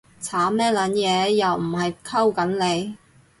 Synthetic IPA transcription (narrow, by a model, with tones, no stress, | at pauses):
t͡sʰaː˨˥mɛː˥lɐ˨˥njɛː˨˧jɐ˨wm̩˨˩ɦɐ˨jkʰɐ˥wkɐ˨˥nle˨˧j